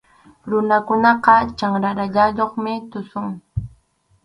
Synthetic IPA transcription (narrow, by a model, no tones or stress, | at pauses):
ɾʊnakʊnɑqɑt͡ʃaŋɾaɾaʎaʎoχmɪt̪ʊsʊŋ